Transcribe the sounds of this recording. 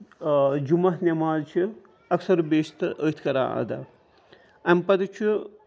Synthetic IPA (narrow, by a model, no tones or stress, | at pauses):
d͡ʒumɐɦnʲɐmaːzt͡ʃʰi | ɐksɐɾbeːst̪əːt̪ʰkɐɾa̰ːa̰d̪ɐ̰ | ɐmpɐd̪ɐt͡ʃʰi